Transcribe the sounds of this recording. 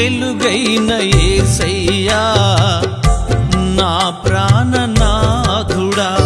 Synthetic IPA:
eluɡɐjnɐjeːsɐjːaː | naːpɾaːnɐnaːɡ̪ʱuɽa

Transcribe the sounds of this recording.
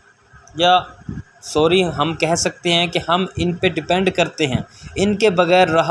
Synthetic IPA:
ja | soːɾiɦɐmkɛɦsɐk̚t̪eɦɛ̃kehɐmɪnpeɖɪpɛ̃ɳɖkɐɾt̪eɦɛ̰̃ːɪnkebɐɣɛːɾːɐɦ

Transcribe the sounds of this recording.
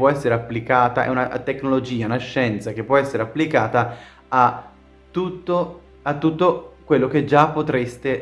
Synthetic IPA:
wɔɛsːeɾeapːlikaːt̪aʔɛ̰unat̪ekːnolod͡ʒiːaunaʃːɛnt̪sak̟epːwɔɛsːeɾeapːlikaːt̪a | a | t̪ːut̪ːo | at̪ːut̪ːokwelːok̟ed͡ʒapːot̪ɾest̪e

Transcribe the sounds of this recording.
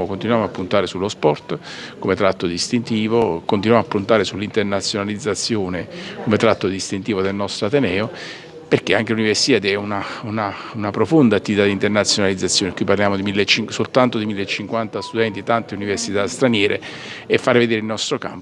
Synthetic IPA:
okont̪inwjaːmoapːunt̪aːɾesulːospɔrt̪komet̪ɾat̪ːod̪ist̪int̪iːvokont̪inwamapːunt̪aːɾesulːint̪ernat̪sjonalid̪zːat̪sːjoːnekomet̪ɾat̪ːod̪ist̪int̪iːvod̪elnɔst̪ɾoat̪enɛːo | perk̟eaŋkeluniversi̥t̪ad̪ɛunaunaunapɾofond̪aːt̪ːivit̪ad̪int̪ernat̪sːjonalid̪zːat̪sːjoːned̪ikwuiparljaːmod̪imilːet͡ʃːiŋsolt̪ant̪od̪imilːet͡ʃːiŋkwant̪ast̪ud̪ɛnt̪iet̪ant̪euniversit̪ast̪ɾanjɛːɾḛ | efːaːɾeved̪eːɾɪilnɔst̪ɾoka̰mp

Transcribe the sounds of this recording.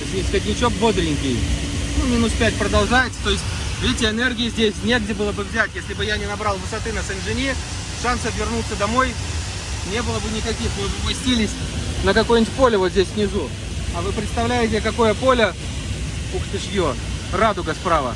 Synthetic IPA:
sʲnʲɪskʲɪtʲnʲɪt͡ɕo̞k̚bo̞d̪ɾʲɪŋʲkʲɪjnumʲinuspʲæt̚ʲpɾəd̪ɐlˠʐajɪt̪sə̥t̪o̞ɪsʲtʲvʲetʲɪɪnerɡʲɪjɪzʲdʲesʲnʲe̞ɡdʲɪbɨlˠəbɨvzʲætʲjesʲlʲɪbɨjanʲɪnɐbɾɑlˠvɨsɐt̪ɨnəsɨnʐɨnʲi | ʂansəfvʲɪrnut̪səd̪ɐmo̞j | nʲe̞bɨlˠəbɨnʲɪkɐkʲixmɨpɐsʲtʲilʲɪsʲnəkɐkojʊnʲɪt̚ʲpo̞lʲəvozʲdʲesʲsʲnʲɪzu | ɐvɨpɾʲɪt̪st̪ɐvlʲæjɪtʲɪkɐko̞jəpo̞lʲə | pukt̪ʲɪʂjo | rad̪ʊɡɐspɾavə̰

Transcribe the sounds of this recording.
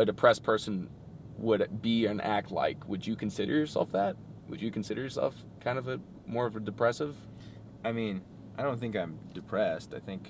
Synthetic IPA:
ɨdɨpʰɹ̥ɛspʰɜ˞sn̩ | wəɾbiɨ̃nʔæk̚tʰˡla̰ɪkʰwɨd͡ʒɨkʰn̩sɪɾə̰˞jə˞sɛ̰lˠfðæt̚wɨ̰d͡ʒɨkʰn̩sɪɾə˞jə˞sɛ̰lˠf | kʰãɪ̃ndʌvɨ | mɔɹʌvɨdɨpʰɹ̥ɛsɨv̥ | aɪmĩn | aɪɾõʊ̃nθɪ̃ŋkãɪ̃mdɨpʰɹ̥ɛstaɪθɪ̃ŋk

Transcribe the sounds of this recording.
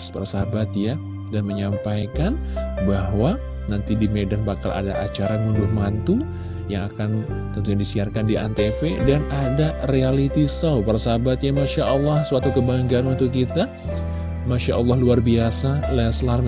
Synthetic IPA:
spərsabat̪ja | danməɲampajkan | bahwa | nant̪idimedanbakalʔa̰da̰ʔa̰t͡ʃaɾamundʊhmant̪u | jaŋakan | t̪ənt̪uɲandisiarkandiʔa̰nt̪epedanadarealit̪isawpərsabat̪jamaʃaʔɑlːɑhsəwat̪ukəbaŋɡianwant̪ukit̪a | maʃa̰ʔɑ̰lːɑhluarbiasalɛslar

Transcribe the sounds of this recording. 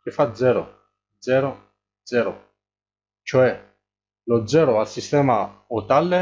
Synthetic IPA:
k̟ɪfːad̪zɛːɾo̰ | d̪zɛːɾo | d̪zɛːɾo | t͡ʃoɛ | lod̪zɛːɾoalsist̪ɛːmaot̪alːe

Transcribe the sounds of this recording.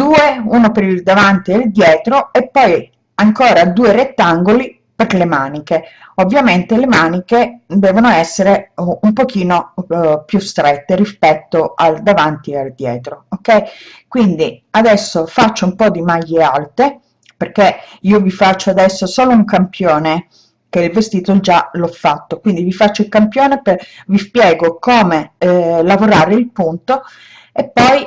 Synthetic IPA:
d̪uːeuːnopeɾild̪avant̪iald̪jɛːt̪ɾoepːɔj | aŋkoːɾad̪uːeret̪ːaŋɡoli | perlemaːnikeovːjament̪elemaːniked̪ɛːvonoɛsːeɾeumpok̟iːnopjust̪ɾɛt̪ːeɾispɛt̪ːoald̪avant̪iald̪jɛːt̪ɾookːɛjkwind̪iad̪ɛsːofat͡ʃːoumpɔd̪imaʎːealt̪e | perkːeiːovifat͡ʃːoad̪ɛsːosoːlouŋkampjoːne | k̟eilvest̪iːt̪od͡ʒalɔfːat̪ːokwind̪ivifat͡ʃːoilkampjoːnepevispjɛːɡokoːmelavoɾaːɾeilpunt̪o | epːɔj

